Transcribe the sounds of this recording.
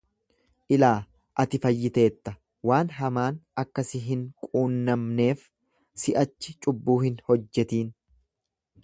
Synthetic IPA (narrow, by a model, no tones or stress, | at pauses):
ʔɪlaː | ʔɐt̪ɪfɐjːɪt̪e̞ːt̪ːɐ | waːnɦɐmaːnɐkːɐsɪɦɪŋkʼuːnːɐmne̞ːf | sɪʔɐt͡ʃːɪt͡ʃʼʊbːuːhɪnhɔd͡ʒːɛt̪iːn